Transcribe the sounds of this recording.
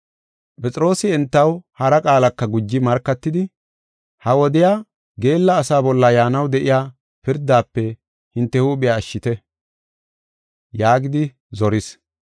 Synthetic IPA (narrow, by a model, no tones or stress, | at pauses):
pʼɛt͡sʼɪɾo̞ːsɪɛnt̪ːɐwhɐɾɐkʼaːlɐkːɐɡʊd͡ʒːɪmɐɾkːɐt̪ːɪd̪ɪ | hɐwɔd̪ɪjaː | ɡe̞ːlːɐːsaːbɔlːɐjaːnɐwd̪ɛʔɪjaː | pɪɾd̪ːaːpːɛ | hɪnt̪ːɛhuːɓɪjaːʃːɪt̪ɛ | jaːɡɪd̪ɪ | zɔɾɪs